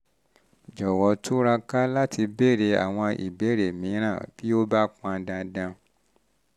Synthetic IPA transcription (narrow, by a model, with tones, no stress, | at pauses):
d͡ʒɔ˨wɔ˨˧˦tʰu˦ɾa˧ka˦la˦tʰi˧be˦˨ɾe˨˦a̰˨w̃ɔ̃˧ḭ˨be˨˦˨ɾe˨mĩ˨˦ɾ̃ã˦˨b̥i˦o˦ba˦k͡pã˧dã˧dã˧